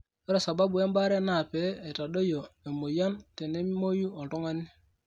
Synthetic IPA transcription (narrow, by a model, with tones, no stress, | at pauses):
o˦ɾe˨sa˨ba˦bu˨e˦mba˦ɾe˦na˦˨pe˦e˨ta˨ɗo˦jo˨e˨mo˨ja˦nte˨ne˦mi˦mo˦ju˦o˨to˦ŋa˦ni˦